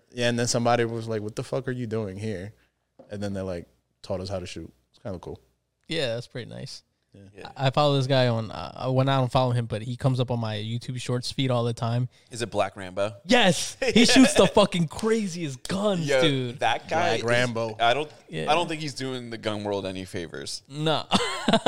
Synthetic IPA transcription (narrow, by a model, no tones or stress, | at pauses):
jæɨ̃nðɨ̃nsʌ̃mbɑɾiwʌzlaɪkwʌt̪ðəfʌkə˞jɨduɪ̃ŋɦiɹ | ɨ̃nðɨ̃nðə˞laɪk̚ | tʰɔɾʌshaʊɾɨʃʉ̰t̚ | kʰãɪ̃ndəkʰṵlˠ | jæðætspʰɹ̥ɪɾḭna̰ɪs | aʔaɪfɑlˠoʊðɪs̬ɡ̥aɪə̃nʌ̰wə̃naɪdõʊ̃nfɑlˠoʊɨ̃mbʌt̚hikʰʌ̃mzʌpn̩maɪjʉtʰʉb̥ʃɔɹtsfiɾɔlˠðɨtʰãɪ̃m | ɨzɨt̚b̥lækɹæ̃mboʊjɛshiʃʉtsðəfʌkɪ̃ŋkʰɹ̥eɪziɨs̬ɡ̥ʌ̃njɛʉdðət̚ɡ̥aɪækkɹæ̃mboʊaɪɾõʊ̃n | jæ̰ɪɾõʊ̃nθɪ̃ŋkhizdʉɪ̃ŋðɨɡʌ̃nwɜ˞lˠdɛnifeɪvə̰˞z̥noʊ